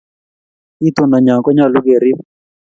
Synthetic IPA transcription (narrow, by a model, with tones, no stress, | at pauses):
i˦tʊ˦na˨ɲa˨ŋkɔ˦ɲa˦˨lʊ˦ɡe˨ɾi˦